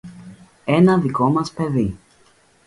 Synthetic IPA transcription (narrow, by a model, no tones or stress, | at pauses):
e̞nɐðiko̞mɐspe̞ði